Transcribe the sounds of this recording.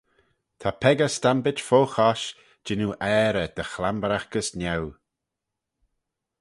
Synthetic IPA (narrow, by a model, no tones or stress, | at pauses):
t̪ʰapʰɛɡəstambɪd͡ʒfoːxɔʃ | d͡ʒɪnuʔɛːɾəd̪̥əxlambɾaxkəsnjaw